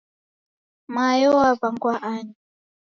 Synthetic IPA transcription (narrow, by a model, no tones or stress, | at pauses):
majɔwabaŋɡwaʔaɲi